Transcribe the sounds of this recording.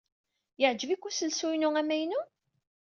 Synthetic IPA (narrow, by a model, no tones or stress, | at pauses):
jəʕd͡ʒəvikʷːusəlsujnuæmæjnu